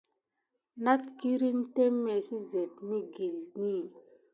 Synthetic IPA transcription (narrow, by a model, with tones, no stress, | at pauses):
na˦tki˦ɾi˦n˦te˦mːe˨si˦ze˨tni˦ɡi˨lni˦˨